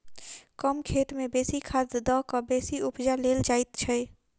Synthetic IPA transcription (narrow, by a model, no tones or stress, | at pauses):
kəmkʰeʈmebesikʰad̪d̪əkəbesiupd͡ʒaleld͡ʒajt̪t͡ʃʰɛ